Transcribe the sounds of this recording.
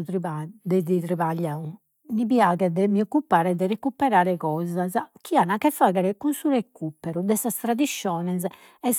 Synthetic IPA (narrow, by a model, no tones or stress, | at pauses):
t̪ɾiad̪ɛd̪it̪ɾiβaʎːau | nipiaːɣɛd̪ɛmiɔkːupːaːɾɛd̪ɛrekupːɛɾaːɾɛkɔːzazk̟ʰianakɛfːaːɣɛɾɛkunsuɾekupːɛɾud̪ɛsast̪ɾad̪iʃːɔːnɛs̬ | ɛs